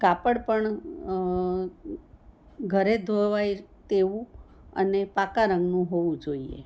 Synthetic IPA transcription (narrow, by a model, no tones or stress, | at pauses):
kapəɽpəɳ | ɡʱəɾed̪ʱoʋajt̪eʋũ | ə̰nepakaɾə̃ŋɡnũɦoʋũd͡ʒoiḛ